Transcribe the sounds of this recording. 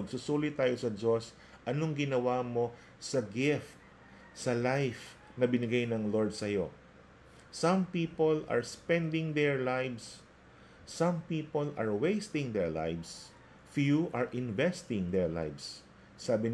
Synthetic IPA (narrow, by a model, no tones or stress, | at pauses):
ɐɡsʊsuːlɪt̪aːjosɐd͡ʒo̞s | ʔɐnoŋɡɪnɐwamo̞ | sɐɡɪft̪̚ | sɐlajf | nɐbɪnɪɡajnɐŋlo̞ɹd̪̚sɐjo̞ | sɐ̃mpiːpolɐ̰ɹspɛ̃nd̪ɪ̃ŋd̪ɛɹlajvs | sɐ̃mpiːpolɐ̰ɹwejst̪ɪ̃ŋd̪ɛɹla̰jvs | fjuʔaɹʔɪ̃nvɛst̪ɪ̃ŋd̪ɛɹla̰jvsː | aːbɪn